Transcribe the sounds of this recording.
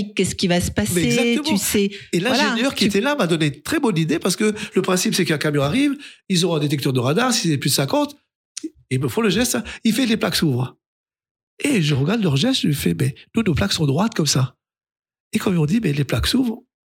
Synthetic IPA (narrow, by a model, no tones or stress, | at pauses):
kːɛsə̥kʲivasə̥pasmɛɛeɡzak̚t̪əm̃yɛelɛ̃lʒeɲjœʁkʲiet̪ɛlamad̪ɔnent̪χɛbɔnid̪epaʁsə̥kələpχɛ̃sipsɛkɛ̃kamjɔ̃aʁivilzɔ̃ɛ̃d̪et̪ɛkt̪œʁd̪əʁad̪aʁsizɛplyd̪sɛ̃kɑ̃t̪ | ilməfɔ̃ləʒɛst̪aifɛleplaksuvʁ | eʒəʁəɡaʁd̪lœʁʒɛst̪ʒəfɛmɛd̪̥onoplaksɔ̃d̪ʁwat̪kɔmsa | ekɔ̃mizɔ̃d̪imɛleplaksuvʁ